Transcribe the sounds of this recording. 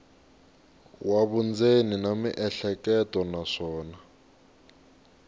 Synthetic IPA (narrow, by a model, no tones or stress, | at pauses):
waβund͡zeninamḭʔɛɬɛkɛtʼɔnaʂɔːna